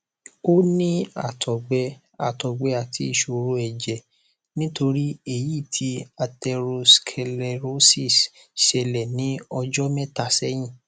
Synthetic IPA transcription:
o˦nĩ˦a̰˦˨tʰɔ˨ɡ͡bɛ˧˦ | a˨tɔ˨ɡ͡bɛ˧˦a˦˨tʰi˨˦i˧˨ʃo˧ɾo˦ɛ˨d͡ʒɛ˨ | nĩ˦to˧ɾi˦e˦˨ji˦˨tʰi˧˦a˧tɛ˧ɾo˧skʰɛ˧lɛ˧ɾo˦si˦˨s | ʃɛ˧lɛ˨nĩ˨˦ɔ˧d͡ʒɔ˦mɛ̃˦ta˦˨sɛ˦j̃ĩ˦˨

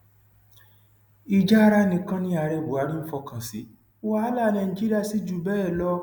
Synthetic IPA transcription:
i˧d͡ʒa˦a˦˧ɾa˦nĩ˧kã˦nĩ˦a˧˨ɾɛ˧˨bo˨a˨˦nĩ˦fɔ˧kã˨si˨˦ | wa˦la˦˨˧nã˧˨ĩ˨d͡ʒi˦ɾi˦a˦˨si˨˦d͡ʒu˦˨bɛː˦˨lɔ˧˦

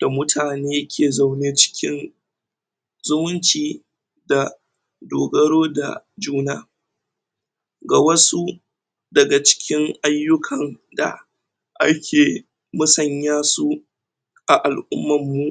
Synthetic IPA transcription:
d̥a˨mʊ˦tʰaː˨neː˦kʲʰeː˨za˨wneː˦t͡ʃɪ̥˦kʲɪ˦n | zʊ˦mʊ˦nt͡ʃiː˨ | da˨ | doː˨ɡɐ˦ɽoː˦da̰˨ | d͡ʒuː˦naː˦ | ɡa˨wɐ˦su˦ | dɐ˨ɡa˨t͡ʃɪ̥˦kʲɪ˦ŋʔa˦jːʊ˦kʰɐ˨n | da̰˨ | ʔa̰˦kʲʰeː˨ | mʊ˦sɐ˨ɲjaː˦su˦ | ʔa˨ʔa˨lʔʊ̰˦mːɐ˨mːu˦

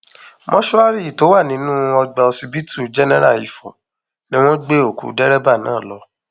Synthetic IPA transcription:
mɔ̃˦ʃu˦a˦ɾi˦i˨to˨˦wa˦˨nĩ˨˦nũ˦ɔ˧ɡ͡ba˧o˧si˧bi˦tu˦˨d͡ʒɛ˦nɛ˦ɾa˦˨i˨fõ̰˨ | nĩ˦w̃ɔ̃˦ɡ͡be˦o˨kṵ˨˦dɛ˦ɾɛ˦ba˦˨nã̰ː˦˨lɔ˧˦

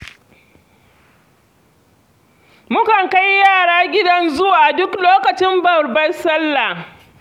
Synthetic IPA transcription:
mʊ˦kɐ˨ŋka˦jjaː˦˨ɽaː˦ɡʲɪ˦dɐ˦nzʊ˦waː˨dʊ˦kloː˦kɐ˨t͡ʃɪ˦mbɐ˨rbɐ˦nsɐ˦lːa˨

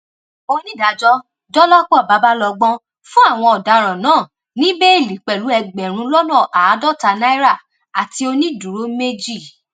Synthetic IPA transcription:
o˧nĩ˦˨da˨˦d͡ʒɔ˦ | dɔ˦lɔ˦k͡pɔ˦˨ba˨˧˦ba˦lɔ˧ɡ͡bɔ̃˦ | fũ˦a˦˨w̃ɔ̃˧ɔ˨da˨˦ɾ̃ã˨nãː˨˦˨ | nĩ˦be˦i˦˨li˨˦k͡pɛ˨lu˨˦ɛ˧ɡ͡bɛ˨ɾ̃ũ˧lɔ˦nɔ̃˦˨ʔa˨˦dɔ˦ta˧na˦i˦ɾa˦˨ | a˨ti˧o˧nĩ˦du˨ɾo˨˦me˦d͡ʒi˦˨

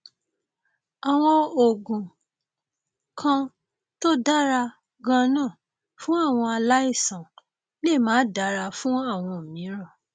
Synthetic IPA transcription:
a˨w̃ɔ̃˧o˨ɡũ˨ | kʰã˧ | to˦da˦ɾa˧ | ɡã˧nã˦˨ | fũ˦a˦˨w̃ɔ̃˧a˧la˦i˦˨sã˨ | le˦˨mãː˨˦da˨˦ɾa˧fũ˦a˦˨w̃ɔ̃˧˨mĩ˨˦ɾɔ˦˨

